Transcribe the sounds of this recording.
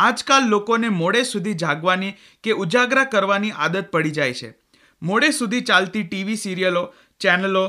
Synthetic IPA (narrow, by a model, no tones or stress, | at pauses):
ad͡ʒkalːokonemoɽesud̪ʱid͡ʒʱaɡʋani | keʔud͡ʒaɡɾakəɾʋaniʔad̪ət̪̚pəɽid͡ʒajt͡ʃʰḛ | moɽesud̪ʱit͡ʃalt̪iʈiʋisiɾijəlo | t͡ʃɛnəlo